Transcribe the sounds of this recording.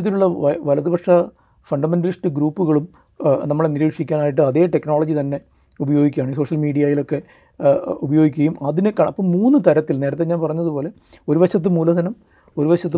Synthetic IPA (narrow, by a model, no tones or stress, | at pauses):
ɐt̪ːiluɭːɐʋɐlɐðuʋɐkʂɐ | fɐɳɖɐmenɖɐlisʈɨɡɾuːpːuɣɐɭum | nɐmːɐɭeniɾiːkʂikʲːaːnaːjiʈ̬ːɨɐðe̞ːʈekːno̞ːɭɐd͡ʑit̪ɐnːe̞ | ubɐjo̞ːɡikʲːaːɳɨiso̞ːʂɐlmiːɽijaːjilo̞kːe̞ | ubɐjo̞ːɡikʲːɣɐjumɐðinɨkːɐɽɐpːɐmːuːnːɨt̪ɐɾɐt̪ːilne̞ːɾɐt̪̬ːeɲaːnpɐrɐɲːɐðupo̞ːle̞ | o̞ɾubɐɕɐt̪ːɨmuːlɐd̪ɐnɐm | o̞ɾubɐɕɐt̪ː